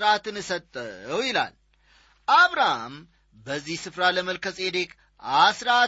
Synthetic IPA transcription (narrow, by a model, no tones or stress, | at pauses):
ɾat̪ɨnɨsət̪ʼːəwjɪla̰l | ʔaβɾaham | bəzːihsɨfɾaləməlkʰəsʼe̞d̪e̞k | asɾa